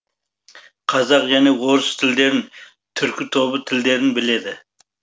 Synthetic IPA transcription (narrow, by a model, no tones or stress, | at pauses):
qʰɑzɑqʒænewoɾʊst̪ʰɪld̪e̞ɾɪn | t̪ʰʏɾkʲɪt̪ʰobət̪ʰɪld̪e̞ɾɪnbɪle̞d̪ɪ